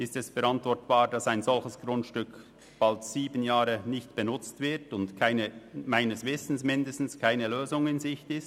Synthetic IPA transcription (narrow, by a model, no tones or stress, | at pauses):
ɪstɛsfɛɐɾantvɔɐtb̥aːd̥ɑsaɪnzɔlçəsɡ̥ʁʊntʃtʏk | b̥altsiːbənjaːɾənɪçtb̥ənʊt͡stv̥ɪɐtʊndkʰaɪnəmaɪnəsvɪsn̩smɪndəstn̩skʰaɪnəløːzʊŋɪnzɪçtɪst